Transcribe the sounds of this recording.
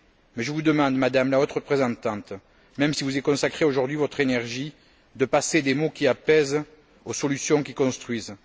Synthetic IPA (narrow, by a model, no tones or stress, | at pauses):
mɛʒəvud̪əmɑ̃d̪mad̪amlaot̪ʁəpχezɑ̃t̪ɑ̃t̪ | mɛmsivuzɛkɔ̃sakχeoʒuʁd̪ɥivɔt̪χenɛʁʒi | d̪əpased̪emokʲiapɛz | osɔlysjɔ̃kikɔ̃st̪χɥiz